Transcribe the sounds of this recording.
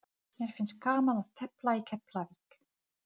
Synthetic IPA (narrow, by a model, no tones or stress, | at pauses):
mjɛɾ̥fɪnskaːmaðaðt̪ʰɛplaikʰɛplavik